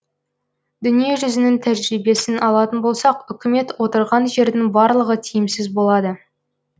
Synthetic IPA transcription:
d̪̥ʏnije̞ʒʏzɪnɪŋt̪ʰæʒɾibe̞sɪnʔɑlˠɑt̪ənbo̞lˠsɑqʏkʲɪme̞t̪wo̞t̪əɾʁɑnʒe̞ɾd̪ɪŋbɑɾlˠəʁət̪ʰijɪmsɪzbo̞lˠɑd̪ə

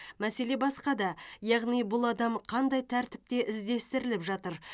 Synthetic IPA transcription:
mæse̞le̞bɑsqɑd̪ɑjɑʁnijbʊlˠɑd̪ɑmqʰɑnd̪ɑjt̪ʰæɾt̪ɪ̥p̚t̪e̞ʔɪzd̪e̞st̪ɪɾɪlɪpʒɑt̪əɾ

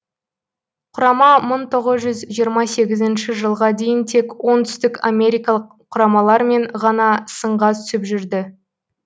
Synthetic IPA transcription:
qʰʊɾɑmɑməɴt̪ʰo̞ʁəzʒʏzʒijəɾmɑse̞ɡʲɪzɪnʃɪʒəlˠʁɑd̪e̞jɪnt̪ʰe̞kwo̞nt̪ʰʏ̥st̪ɪka̰mʲe̞ɾʲijkɑlˠəqʰːʊɾɑmɑlˠɑɾme̞ɴʁɑnɑsəɴʁɑt̪ʰʏsɪpʒʏɾd̪ɪ

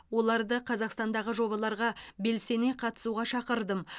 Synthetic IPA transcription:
wo̞lˠɑɾd̪əqʰɑzɑqst̪ɑnd̪ɑʁəʒo̞bɑlˠɑɾʁɑbe̞lse̞ne̞qʰɑt̪ə̥suʁɑʃɑqəɾd̪əm

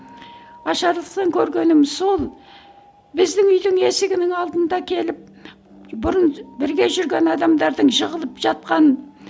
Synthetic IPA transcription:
ɑʃɑɾlˠəqt̪ɑŋkʲʰɵɾɡʲe̞nɪmɪzso̞lˠ | bɪzd̪ɪŋʏjd̪ɪŋe̞sɪɡʲɪnɪŋɑlˠd̪ənd̪ɑkʲʰe̞lɪp̚ | bʊɾənbɪɾɡʲe̞ʒʏɾɡʲe̞nɑd̪ɑmd̪ɑɾd̪əɴʒəʁəlˠəpʒ̥ɑt̪̚qɑnə

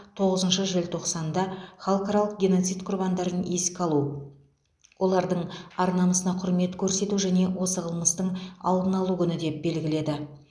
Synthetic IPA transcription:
t̪ʰo̞ʁəzənʃəʒɪlʲt̪ʰo̞qsɑnd̪ɑχɑlˠqɑɾɑlˠəq̚ɡʲeno̞t̪sijt̪qʰʊrbɑnd̪ɑɾəneskʲɑlˠu | wʔo̞lˠɑɾd̪əɴɑɾnɑməsənɑqʰʊɾme̞t̪kʲʰɵɾse̞t̪uʒæne̞wo̞səʁəlˠməst̪əɴɑ̰lˠd̪ənɑlˠukʲʰʏnɪd̪e̞p̚be̞lɡʲɪle̞d̪ɪ

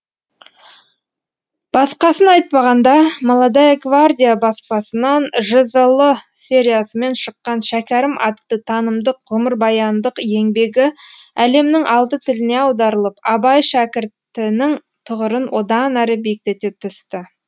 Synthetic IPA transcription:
b̥ɑsqɑsənɑjt̪̚pɑʁɑnd̪ɑmɑlˠɑd̪ɑjɡvard̪ʲijabɑspɑsənɑnʒəzəlˠəsʲe̞ɾʲijasəme̞nʃəqːɑnʃækʲæɾɪmʔɑt̪ːət̪ʰɑnəmd̪əqʁʊməɾbɑjɑnd̪əqe̞ŋbe̞ɡʲɪæle̞mnɪŋʔɑlˠt̪ət̪ʰɪlɪneɑwd̪ɑɾəlˠəpɑbɑjʃækʲɪɾt̪ɪnɪŋ | t̪ʰʊʁəɾənwo̞d̪ɑnæɾɪbek̚t̪e̞t̪e̞t̪ʰʏst̪ɪ

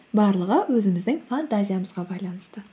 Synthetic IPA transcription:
bɑɾlˠəʁəwɵzɪmɪzd̪ɪŋfant̪azʲijaməzʁɑbɑjlˠɑnəst̪ə

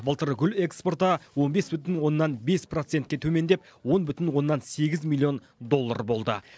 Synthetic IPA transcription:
bəlˠt̪əɾəɡʲʏle̞kspo̞rt̪ɑwo̞nbe̞sbʏt̪ɪnwo̞nːɑnbe̞spro̞t̪se̞n̚kʲe̞t̪ʰɵme̞nd̪e̞p | wo̞nbʏt̪ɪnwo̞nːɑnse̞ɡʲɪzmʲilˠijo̞n | d̪o̞lˠːa̰ɾbo̞lˠd̪ə̰

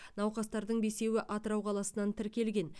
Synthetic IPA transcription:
nɑwqɑst̪ɑɾd̪əɴbe̞se̞wɪʔɑt̪əɾɑwqʰɑlˠɑsənɑnt̪ʰɪɾkʲe̞lɡʲe̞n

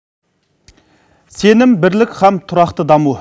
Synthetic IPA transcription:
senɪmbɪɾlɪkʲχæmt̪ʰʊɾɑqt̪əd̪ɑmu

